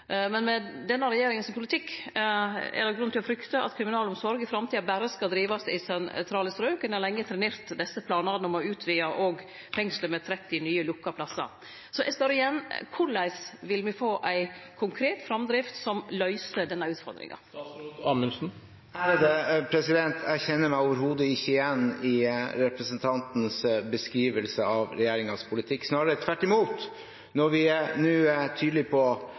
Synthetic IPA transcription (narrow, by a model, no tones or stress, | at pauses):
mɛnmɛd̪ɛnːəɾɛjeːɾɪŋənsɔmpʰʊlɪt̪ʰɪkː | ɛ̰d̪ɛɡɾʉnt̪ɪlɔfɾʏkt̪əʔɑ̰t̪kʰɾɪmɪnɑːlɔmsɔɾɡɪfɾɑmt̪ʰiːɑbæːɾəskɑld̪ɾiːʋɑsɪ̰sɛnt̪ʰɾɑːləst̪ɾøːkənəlɛŋːət̪ʰɾɛneːɾt̪d̪ɛsəpʰlɑːnɑɾnɔmɔʉːt̪ʰʋiːɑʔoːɡ | fɛŋsləmɛt̪ʰɾɛt̪ːɪnyːəlʊkːɑpʰlɑsːɑ̰ɾ | sɔʔɛst̪ɑɾɪjɛnːkʰʊɭæɪsʋɪlmɪfoːʔæɪkʰʊŋkʰɾeːt̪fɾɑmd̪ɾɪft̪sɔmlœʏsəɖɛnːɑʉːt̪fɔ̰ɾd̪ɾɪ̰ŋɑ̰ɑməsn̩ | æɾd̪ɛpʰɾɛsɪd̪ɛnt̪ʰæɾçɛnːəmæɪoːʋəɾɦuːd̪əɪçːəɪjɛnːɪɾɛpɾəsənt̪ʰɑnt̪nsbəskɾiːʋəlsəɑʋɾɛjeːɾɪŋɑspʰʊlɪt̪ʰɪkːsnɑːɾəɾət̪ʰʋæʈːɪmuːt̪ | nɔɾʋɪnʉːt̪ʰyːd̪lɪpʰɔ